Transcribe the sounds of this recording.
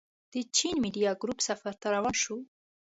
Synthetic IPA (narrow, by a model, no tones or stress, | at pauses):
d̪̥ət͡ʃinmiɖijɑɡɾupsafaɾt̪aɾawɑʃu